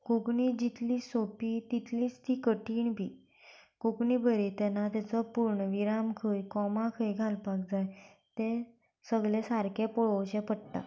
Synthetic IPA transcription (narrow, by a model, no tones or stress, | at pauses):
kokɳid͡ʑit̪liːsopiːt̪it̪liːst̪ʰiːkəʈiːɳbʱiː | kokɳiːbʱəɾet̪ɛnːat̪at͡səpuɾɳəʋiɾamkʰəjkɔmãkʰəjɡʱalpak̚d͡zaj | t̪ẽ | səɡɭesaɾkẽpoɭoɕɛ̃pəɽʈ̪a̰